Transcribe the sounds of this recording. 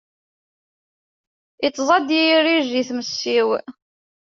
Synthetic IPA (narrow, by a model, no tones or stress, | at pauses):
it͡sːzˤɑd̪jijriʒiθməsːiw